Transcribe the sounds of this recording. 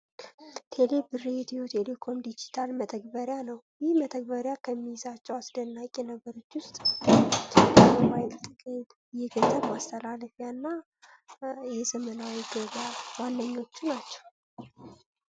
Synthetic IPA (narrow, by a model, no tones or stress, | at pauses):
t̪ʰe̞lebɨreɛt̪ijot̪ʰelekʰo̞md̪id͡ʒit̪ʰalmət̪ʰəɡ̚bəɾjanəwjɪhmət̪ʰəɡ̚bəɾjakʰəmːijzat͡ʃːɛwasd̪ənːakʼːɛnəɡəɾot͡ʃːwʊst̪ʼt̪ʰdəbajt̪t̪ʼːɨɡt̪ | jɛɡəzʼəbast̪ʰəlaləfjanːa | jɛzəmənawiɡəβawanːəɲːo̞t͡ʃːunat͡ʃːɛ̥w